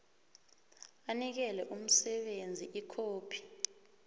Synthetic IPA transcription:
anik̬ɛlɛʔum̩sɛɓend͡zʱiʔikʰoːpʰi̥

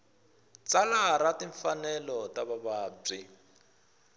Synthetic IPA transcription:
t͡salaɾatiɱfanɛlɔtaβaβaːb͡ʐi

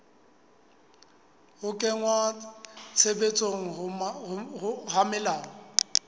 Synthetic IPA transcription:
hʊkʼɛŋwat͡sʰebet͡sʼoŋ̩ | ʊhamɪlaːɔ

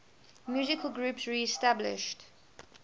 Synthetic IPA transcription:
mjuːzɪkʰəlˠɡɹuːpsɹiɛstablɪ̰ʃt

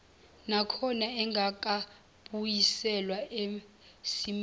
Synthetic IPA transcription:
nakʰɔnaɛŋɡʱak̬ʼa | ɓujisɛlwaʔe | sim

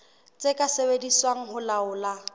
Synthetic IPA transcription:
t͡sʼekʼasebediswaŋ̩ɦʊlaʊːla

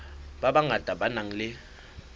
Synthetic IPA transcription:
babaŋad̥ʱabanaŋ̩lɪ

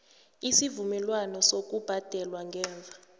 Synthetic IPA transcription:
isivumɛlwanɔsok̬ʼub̥ʱad̥ʱɛlwaŋɡʱɛːɱvʱa

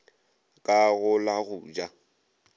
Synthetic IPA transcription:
kʼaɣʊlaɣʊd͡ʒa

